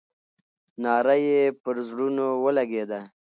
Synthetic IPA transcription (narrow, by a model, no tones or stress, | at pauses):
nɑːɾajepəɾzɽunowəlaɡed̪a